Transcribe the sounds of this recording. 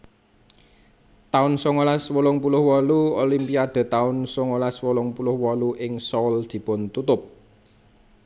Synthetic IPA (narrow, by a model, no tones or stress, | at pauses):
t̪aʊnsoŋolaswɔlɔŋpulʊhwɔluolimpiad̪̥ə̤t̪aʊnsɔŋolaswɔlɔŋpulʊhwɔluʔɪŋsɔld̪̥i̤pʊnt̪ut̪ʊp̚